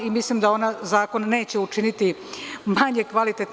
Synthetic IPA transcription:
imislimd̪ao̞nazaːko̞nːe̞ːt͡ɕe̞ut͡ʂinit̪imaɲe̞kʋalit̪et̪

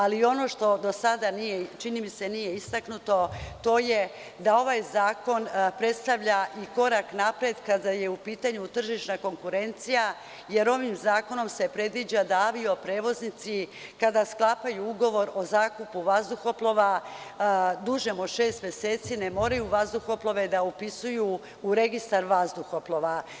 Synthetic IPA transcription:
alio̞no̞ʃt̪o̞d̪o̞sad̪anijet͡ʃinimise̞nije̞ist̪aknut̪o̞t̪o̞je̞ | d̪ao̞ʋajzaːko̞npɾe̞t̪st̪aʋʎaʔiko̞ɾaknapɾed̪kad̪aje̞upiːt̪aɲut̪r̩ʒiʃnako̞ŋkuɾe̞nt̪sija | je̞ɾo̞ʋimzaːko̞no̞mse̞pɾe̞d̪ʋid͡ʒad̪aaʋio̞pɾe̞ːʋo̞znit̪sikad̪asklˠapajuuɡo̞ʋo̞ɾo̞zaːkupuʋazd̪uxo̞plˠo̞ʋa | d̪uʒemoʃe̞ːst̪mjese̞ːt̪sinemo̞ːɾajuʋazd̪uxo̞plˠo̞ʋe̞d̪aupisujuː | ɾe̞ɡist̪aɾʋazd̪uxo̞plˠo̞ʋa

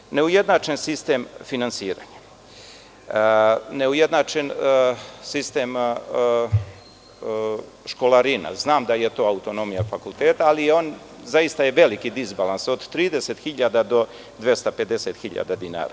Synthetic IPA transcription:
ne̞ujed̪nat͡ʃensist̪emfinansiːɾa̰ɲḁ | ne̞ujed̪nat͡ʃen | sist̪em | ʃko̞laɾina̰znaːmd̪ajet̪o̞ːaut̪o̞no̞mijafakulˠt̪eːt̪aːlijeo̞ːn | zajist̪ajeʋe̞likid̪izbalanso̞d̪t̪ːɾiːd̪eset̪xiʎad̪ad̪o̞ | d̪ʋje̞st̪ape̞d̪e̞set̪xiʎa̰d̪ad̪ina̰ːɾa̰

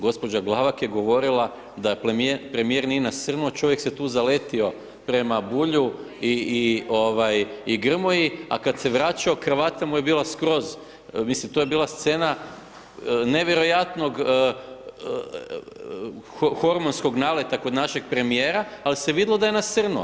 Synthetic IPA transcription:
ɡo̞spo̞d͡ʒaɡlˠaʋakjeɡo̞ʋo̞ɾilˠa | d̪ajeppɾe̞mije̞ɾnijenasərnut͡ʃo̞ʋjekse̞t̪uːzale̞t̪io̞ | pɾe̞mabuʎu | iio̞ʋajiɡr̩mojia̰kad̪se̞ʋɾat͡ʃaoxrʋaːt̪amuje̞biːlaskɾo̞z | mislimt̪oje̞biːlˠast̪se̞ːna | ne̞ʋjeɾo̞jat̪no̞ɡ | xo̞ɾmonsko̞ɡnaːʋle̞t̪ako̞d̪naʃe̞ɡ̚pɾe̞mijeːɾaːliseʋid̪lˠod̪ajenasər̩nu

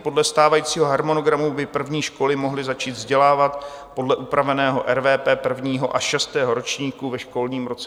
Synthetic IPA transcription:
po̞dlɛst̪aːvajiːt͡siːɦo̞ɦaɾmo̞no̞ɡɾamubɪpr̩vɲiːʃko̞lɪmo̞ɦlɪzat͡ʃiːd̪vzɟɛlaːvat̪po̞dlɛʔupɾavɛnɛːɦo̞ʔɛɾvɛːpɛːpr̩vɲiːɦo̞ʔaʃɛst̪ɛːɦo̞ɾo̞t͡ʃɲiːkuvɛʃko̞lɲiːmɾo̞t͡sɛ

